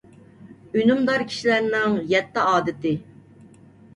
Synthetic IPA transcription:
ynumd̪ɑɾkʲʰi̥ʃilæɾnɪŋjɛt̪ːɪɑːd̪ɨt̪ɪ

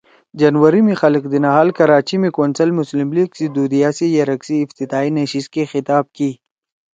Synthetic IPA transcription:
d͡ʒanwɐɾimixɐləkd̪inaɦalkɐɾaːt͡ʃimikoːnsɐlmʊslɪmliɡsid̪ud̪ijasijaɾɐksiːft̪it̪aːinɐʃis̚kexɪt̪aːb̚ki

